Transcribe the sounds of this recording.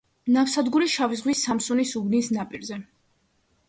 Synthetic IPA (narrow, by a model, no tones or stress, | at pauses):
nafsad̪ɡuɾiʃavizʁwisːamsunisubnisnapʼiɾzɛ